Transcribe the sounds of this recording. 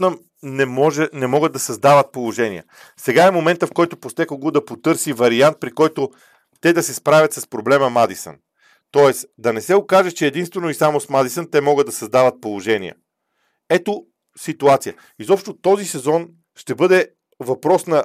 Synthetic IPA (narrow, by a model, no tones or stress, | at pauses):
nəm | nɛmɔʒɛnɛmɔɡəd̪ɐsɐzd̪avət̪̚polˠoʒɛnḭə̰ | sɛɡaɛmomɛnt̪əfkɔjt̪opost̪ɛkoɡod̪ɐpot̪ɤɾsivɐɾiant̪̚pɾikɔjt̪o | t̪ɛd̪ɐsɛspɾavʲɐt̪sɐspɾoblɛməmad̪isə̰n | t̪ɔɛsd̪ɐnɛsɛokaʒɛt͡ʃɛːd̪inst̪vɛnoisamosmad̪isənt̪ɛmɔɡəd̪ɐsɐzd̪avət̪̚polˠoʒɛnḭə̰ | ɛt̪o | sit̪uat̪sijə | izɔpʃt̪ot̪ɔzisɛzɔn | ʃt̪ɛbɤd̪ɛ | vɐpɾɔsnɐ